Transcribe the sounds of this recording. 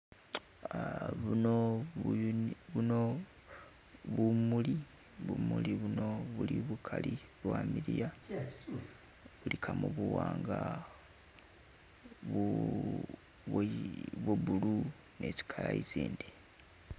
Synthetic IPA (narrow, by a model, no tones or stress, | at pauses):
βuno | βuno | βumuli | βumuliβuno̞βuliβukʰaliβwamiɾija | βulikʰamuβuwaːŋɡa | β | βweβulu | ne̞si̥kʰalaiziːndi